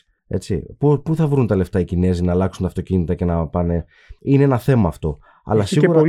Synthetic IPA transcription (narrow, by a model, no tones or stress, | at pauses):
e̞̰t͡sipupuθɐvɾunt̪ɐle̞ft̪ɐicine̞zinɐːlɐksunt̪ɐft̪o̞cinit̪ɐce̞nɐpɐne̞ | ine̞enɐθe̞mɐːft̪o̞ | ɐ̰lɐsiɣuɾɐ